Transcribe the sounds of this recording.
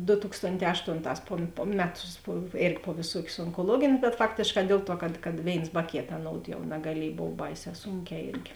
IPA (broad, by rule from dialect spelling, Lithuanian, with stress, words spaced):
doː ˈtʊkstoːnʲˌtʲɛː ˈɑːʃtoːnˌtɑːs poː poː ˈmʲæːˌtʊs poː ˈeːrʲɡʲɪ poː ʋʲeːˈsuɔkʲʊs oːŋkoːˈlˠuɔɡʲeːnʲ bʲɛt ˈfɑːktʲeːʃˌkɑː ˈdʲeːlˠ ˌtuɔ kɐt kɐt ˈʋʲeːɪns bɐ ˈkʲeːt ɐˈnoːʊt jɛʊ nɐɡɐˈlʲiɛj ˈboːw ˈbɐɪˌsʲɛː ˈsuːŋʲˌkʲɛː ˈeːrʲɡʲɪ